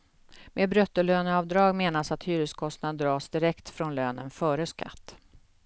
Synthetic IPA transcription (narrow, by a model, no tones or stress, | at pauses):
mʔeːbɾœt̪ːəɭøːnəɑvd̪ɾɑːɡmeːnasat̪hyːɾəskʰɔst̪nad̪d̪ɾɑːsd̪ɪɾɛkt̪fɾɔnløːnənfœːɾəska̰t̪ː